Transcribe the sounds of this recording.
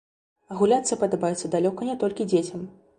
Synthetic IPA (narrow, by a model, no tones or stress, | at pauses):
ɐɣulʲat̪sɨjɐpɐd̪ɐbajɛt̪sːɐd̪alʲɔkɐnʲɛt̪ɔlʲkʲid͡zʲet͡sʲɐm